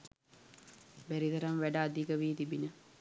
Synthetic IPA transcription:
bæɾid̪ɐɾɐmʋæɖaːd̪ʱikəʋiːt̪ibinə

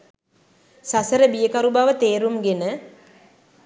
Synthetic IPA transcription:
sasəɾəbijəkaɾubaʋət̪eːɾumɡenə

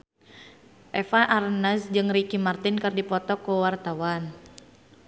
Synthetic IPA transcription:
ʔɛfaʔarnasd͡ʒɨŋrikimart̪ɪnkɨrdipɔt̪ɔkuwart̪awan

